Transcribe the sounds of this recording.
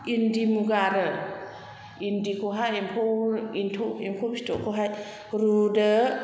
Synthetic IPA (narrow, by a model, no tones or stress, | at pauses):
indimuɡaɾə | indikʰoɦajempʰowintʰoimkʰobistɔkʰoɦaj | ɾudə